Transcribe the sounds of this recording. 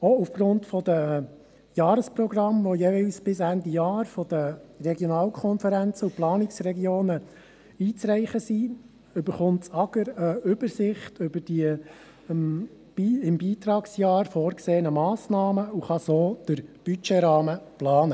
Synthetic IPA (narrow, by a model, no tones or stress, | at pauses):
oufɡ̥rʊntfɔd̪ə | jɑːɾəsprɔɡrɑmʋɔjeːvɛlsb̥ɪsændijɑːɾfɔd̥̪ərɛɡjɔnɑːlkʰɔnfəɾænt͡səuplɑːnɪksrɛɡjoːnə | iːt͡sɾɛɪχəsi | ʏbəɾχʊntt͡sɑɡ̥əɾəʏbəɾsɪχtʰʏbəɾd̥iə | m | b̥iːɪmbiːt̪ɾɑːksjɑːɾfoːɾkseːənəmɑːsnɑːməuχɑsoːd̥əɾb̥yt͡ʃeɾɑːməplɑːnə